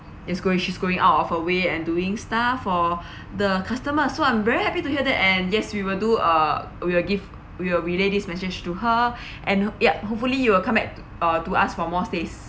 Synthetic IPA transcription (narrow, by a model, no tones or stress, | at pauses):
ɛsɡoĩŋʃisɡoɪ̃ŋʔa̰ʊtɔfhəweɛ̃nduɪ̃ŋstafɔ | dəkʰastəməsoãɪ̃mvɛɹihɛpituhiədɛ̰tɛ̃njɛswiwɪlduʌ | wiwɪlɡiv | wiwɪlɹiledismɛsɪd͡ʒtuɦə | ʔɛ̃njaɦop̚fəlijuwɪlkʰãmbɛk̚ | ʌtuasfɔmɔstes